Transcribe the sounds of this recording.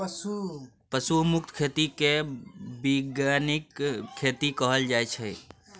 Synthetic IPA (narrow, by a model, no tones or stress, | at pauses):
psu | pəsumuk̚t̪kʰet̪ikebiɡjanikʰːet̪ikəɦəld͡ʒaet͡ʃʰə